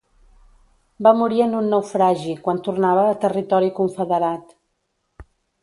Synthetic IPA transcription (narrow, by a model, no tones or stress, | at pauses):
bamuɾiənunːɛwfɾaʒikwant̪urnaβəːt̪ərit̪ɔɾikuɱfəðəɾat̪